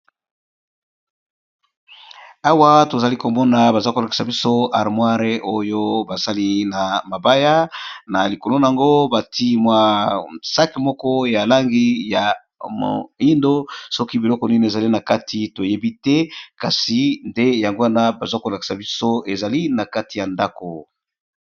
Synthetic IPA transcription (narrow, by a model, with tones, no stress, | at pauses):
a˦wa˦to˨za˨li˦ko˨mɔ˦na˨ba˨za˦ko˨la˨ki̥˨sa˨bi˦so˦a˨ʁmwa˦ʁe˦ʔo˦jo˦ba˨sa˦li˦na˨ma˨ba˦ja˦na˨li˨ko˨lo˦na˨a˨ŋɡo˦ba˨ti˦mwa˦sa˦ki˨mɔ˦kɔ˦ja˨la˦ŋɡi˦ja˨ | mo̰˨i˦ndo˦sɔ˦ki˦bi˨lɔ˦kɔ˨ni˦n˨e˨za˨li˦na˨ka˦tʰi˦to˨je˦bi˦tɛ˦ka˨si˨nde˦ja˨ŋɡo˦a˦na˦ba˨za˦ko˨la˨ki̥˨sa˨bi˦so˦e˨za˨li˦na˨ka˦ti˨ja˨nda˦ko˨